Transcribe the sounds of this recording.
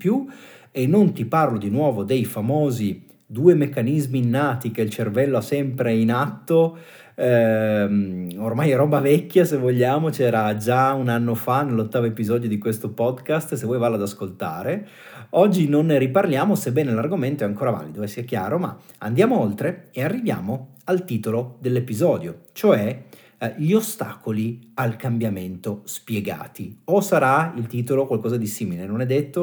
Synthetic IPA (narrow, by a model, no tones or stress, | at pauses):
pjuenːont̪iparlod̪inwɔːvod̪ejfamoːzi | d̪uːemekːanizmiːnːaːt̪ikeilt͡ʃervɛlːoasːɛmpɾeinat̪ːo | ɛmormajɛɾɔːbavɛkːjasevːoʎːaːmot͡ʃɛːɾad͡ʒaunanːofanelːot̪ːaːvoepizɔːd̪jod̪ikwest̪opɔd̪kast̪sevwɔjvaːlːad̪askolt̪a̰ːɾe | ɔd͡ʒːinonriparljaːmosebɛːnelarɡoment̪oɛaŋkoːɾava̰ːlid̪oesːiɛkja̰ːɾoma̰ | a̰nd̪jaːmoolt̪ɾeearːivja̰ːmoalt̪iːt̪olod̪elːepizɔːd̪jot͡ʃoɛ | ʎiost̪a̰ːkolialkambjament̪ospjeɡa̰ːt̪iosaɾailt̪iːt̪̬olokwalkɔːzad̪isiːmilenonɛd̪ːet̪ːo